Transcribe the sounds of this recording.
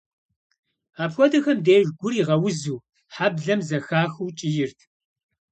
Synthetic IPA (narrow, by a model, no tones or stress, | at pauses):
aːpxʷɔdɨxɐmdeːʒɡʷʊriʁɐwʊzuː | ħabɮɐmzɐxaːxuːt͡ʃʼɪjɪrtʰ